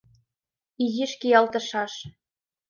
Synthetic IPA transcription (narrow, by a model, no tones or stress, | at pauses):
iɣiʃkijɑlt̪ɤ̆ʃɑʃ